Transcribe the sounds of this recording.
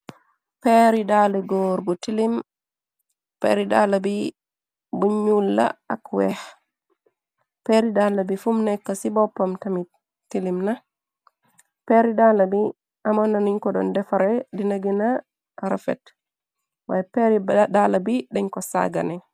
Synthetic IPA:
pɛɾidalɛɡɔɾɡɔtilim | pɛ̰ɾida̰labi | buɲːulːa̰akwɛh | peɾidalabifumnɛkːasibɔpːɔmtami | tilimna | pɛɾidalabi | ʔamɔnaniɲkɔɗɔ̰ndɛfaɾɛdineɡina | ɾafɛ̰t | wa̰peɾiɗalabiɗɛɲkɔsa̰ɡa̰nɛ

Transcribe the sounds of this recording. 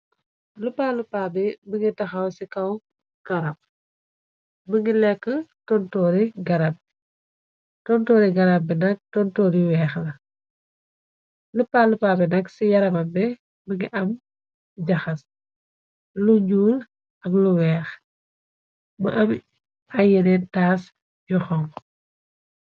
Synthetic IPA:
lupːalupaːbɛbəŋɡitɐxawsikɐw | ɡ̥ɐɾap̚ | bəŋɡilɛkːətɔntɔːɾiɡɐɾap̚ | tɔntɔːɾiɡɐɾabbɛnɐk̚tɔntɔːɾiwɛːxlɐ | ləpːalupaːbɛnɐksijɐɾɐmɐmbɛ | bəŋɡiʔɐm | ɟɐxɐs | luɲɟuːl | ɐkluwɛːx | mə̰ʔɐm | ajənɛntaːs | juxɔŋ

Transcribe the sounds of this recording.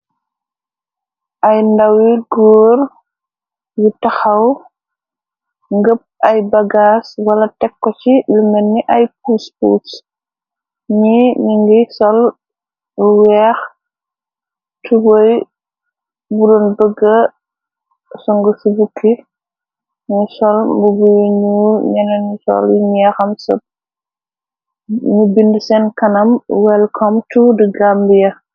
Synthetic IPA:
ʔɐjndawiɡɔːɾ | jitɐxɐw | ŋɡəp̚ʔɐjbɐɡaːswɐlɐtɛkːɔt͡ʃilumɛnːiʔɐjpuːspṵːs | ɲimiŋɡisɔl | uwɛːx | tubɔj | budɔnbəɡːɐ | sɔŋɡɔsibukʰːi | ɲisɔlmbubuwiɲuɲɛnɐnsɔ̰ljiɲɛxɐmsɐ̰p̚ | ɲubindusɛnkɐnɐmwɛlkʰɔmtudəɡambijɐ

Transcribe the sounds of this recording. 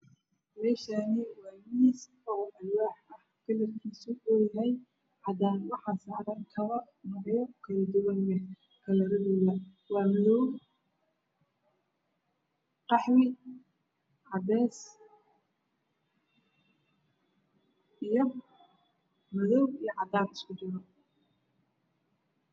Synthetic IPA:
mɛːʃaːnɪwɑːmiːs | ɔːʔɐlwaːħɐhkʰɐlɐrkʰiːsʊɔjaɦɛj | ħɑd̪aːnwɑħɑːsaːʕɾɐkʰɐβɐ | nɔːʕjɔkʰɐlɐd̪ʊɣɐnbɛ | kʰɐlɐɾɐðiːlɐ | wɑːmɐðɔw | qɑħwɪ | ʕɑbɛːs | ʔijɞ | mɐðɔwijɞʕɑd̪aːɾɪskʊdɪɣɔ

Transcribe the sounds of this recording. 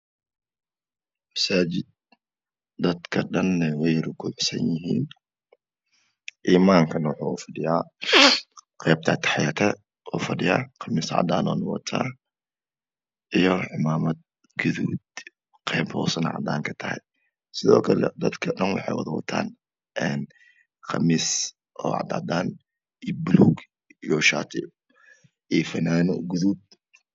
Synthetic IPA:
mɐsaːt͡ʃɪd̪̚ | d̪ɐd̪kʰɐɗɐnːɐwɛjɾʊkʰʊʕʊsɐnjɪɦiːn | ʔiːmaːŋkʰɐnwʊħuʊfɐɗɪjaː | qɛːb̚t̪ʰat̪ʰɐ̥ħɑjaːt̪ʰɛ | ʔɔːfɐɗɪja̰ːqɑmɪsʕɑ̰d̪a̰ːnɔːnɐwɐ̰t̪ʰa̰ː | ʔijoʕɪmaːmɐt̪̚ | ɡ̥uðuːd̪ | qkʰʼebho̰sɐnʕa̰d̪a̰ŋkʰɐ̥t̪ʰɐhij | sɪðoːkʰɐlɐ̰d̪ɐd̪kʰɐɗɐnwʊ̰ħejwɔd̪ɐwɔt̪ʰːa̰n | ʔɛn | xʰɐmːis | ʔoa̰ʕd̪a̰d̪an | ibluɡ | ijoʃat̪ʰib | ʔifɐnanuɡuðud̪̚

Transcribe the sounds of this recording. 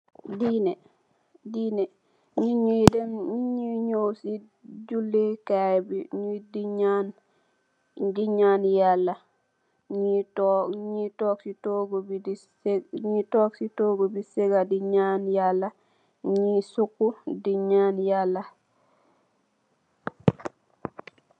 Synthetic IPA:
dine | dine | ɲiɲidenɲiɲowsi | d͡ʒulːekabiɲidiɲan | diɲanjalːa | ɲitɲitoksitoɡobi | ɲitoksitoɡobiseɡadiɲaːnjalːa | ɲisukːudiɲaːnjalːa

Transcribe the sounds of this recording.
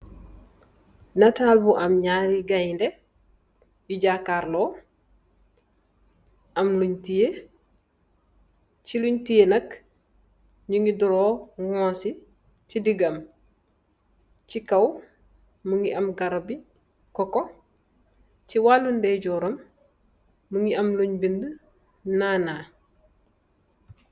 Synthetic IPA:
nɐtalbuʔɐmɲaɾiɡajnde | jiɟakaɾloː | ɐmluɲtije | ciluɲtijenɐk | ɲuŋiduɾoːŋosi | cidiɡɐm | cikɐw | muŋiʔɐmɡɐɾabi | kɔko | ciwaːlundeɟɔːɾɐmː | uŋiɐmluɲbində | naːnaː

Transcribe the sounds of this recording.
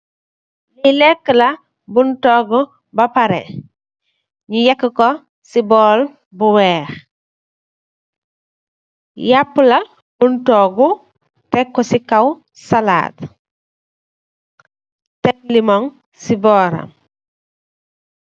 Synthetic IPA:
lilɛkːəlɐ | buntɔːɡu | bɐpɐɾɛ̰ | ɲujɐkːəkɔ | sibɔːl | buwɛːɾ | japːulɐ | buntɔːɡu | tɛkːɔsikɐw | sala̰ːt | tɛk̚limɔŋ | sibɔːɾɐ̰m

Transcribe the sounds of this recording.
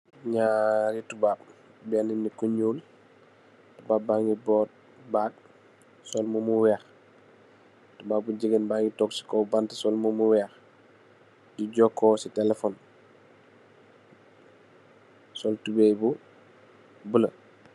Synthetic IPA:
ɲaɾitubaːb̚bɛninːikuɲuːl | tubaːbaŋɡibɔːt̚ | baːd̚ | sɔlmumuwɛːx | tubaːuɟəɡənbaŋɡitɔksi̥kɔbantəsɔlmumuwɛːx | diɟɔkːɔsitɛlɛfɔn | sɔltubejbu | bulə

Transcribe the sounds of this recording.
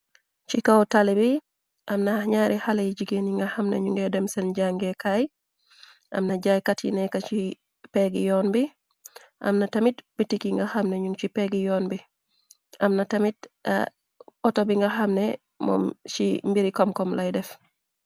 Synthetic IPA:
t͡ʃikawtalibi | ʔamnaɲaːɾihalejɟiɡeniŋɡahamnḛɲuŋɡedɛmsɛnɟaŋɡekaj | ʔa̰mnaɟajkatjḭnɛkat͡ʃi | peɡḭjɔnbi | ʔa̰mnatɐmitbitikiŋɡahamneɲuŋt͡ʃipeɡijɔːnbi | ʔamnatɐmit̚ | ɔtobiŋɡaxamne | mɔ̰mt͡ʃimbiɾikɔmkɔmlajdɛf

